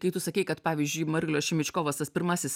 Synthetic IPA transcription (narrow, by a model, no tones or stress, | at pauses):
kɐɪt̪ʊsɐkʲɛɪkɐt̪pɑːʋʲiːzʲd͡ʒʲʊɪmɐɾʲɪlʲoːsʃʲɪmʲɪt͡ʃkoːʋɐst̪ɐspʲɪɾmɐsʲɪs